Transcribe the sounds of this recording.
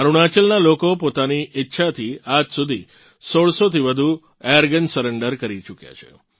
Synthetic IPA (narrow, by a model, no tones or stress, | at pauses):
əɾuɽ̃at͡ʃəlnalokopot̪aniʔɪtːʃʰat̪ʰiad͡ʒsud̪ʱi | soɭsot̪ʰiʋəd̪ʱu | ejəɾɡənsəɾəɳɖəɾkəɾit͡ʃukja̰t͡ʃʰḛ